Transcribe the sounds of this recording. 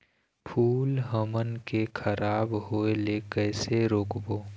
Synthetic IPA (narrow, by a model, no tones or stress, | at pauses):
pʰuːlɦəmənkekʰəɾaːbɦoːelekɛːseɾoːkboː